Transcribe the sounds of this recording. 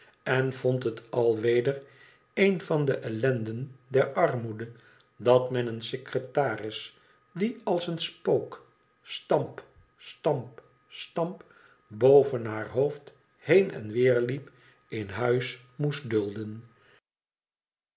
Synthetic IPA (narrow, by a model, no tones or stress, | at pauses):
ɛnv̥ɔntɦətɑlˠʋejdəɹ | ejnvɑndəʔɛlɛndəndɛɹɑɹmudə | dɑtmɛnənsekrətaːrɪs | diɑlˠsənspowk | stɑmp | stɑmp | stɑmp | bowvənɦaːɹɦowft | hejnɛ̰nʋɪːɹlip | ɪnɦœɥs | must̚dɵlˠdən